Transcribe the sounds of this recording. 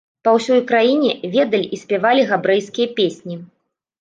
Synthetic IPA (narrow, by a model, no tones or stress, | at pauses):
pɐwsʲɔjkɾajinʲɛvʲɛd̪ɐlʲisʲpʲɛvalʲiɣabɾɛjskʲijɐpʲesʲnʲi